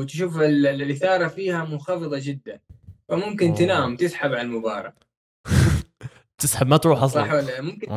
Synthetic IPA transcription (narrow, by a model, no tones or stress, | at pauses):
t̪ʃuːfɪlʔɪθɑːɾˤɑfiːhamʊnxɑfɨðˤɑd͡ʒɪd̪ːanfamʊmkɪnt̪ɪnaːmt̪ɪsħabʕallmʊbɑ̰ːɾˤɑ̰ | t̪ɪsħabmat̪ɾuːħɑsˤɑħalːamʊmkɪ